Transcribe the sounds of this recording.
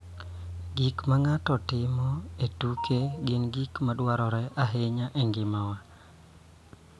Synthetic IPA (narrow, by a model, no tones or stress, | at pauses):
ɡikmaŋatɔtɪmɔetukʰeɡɪnɡikmadwaɾɔɾɛʔaɦeɲaʔeŋɡɪmawa